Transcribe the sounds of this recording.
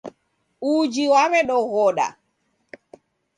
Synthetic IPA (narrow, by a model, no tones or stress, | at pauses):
ud͡ʒiwamɛɗɔɣɔɗa̰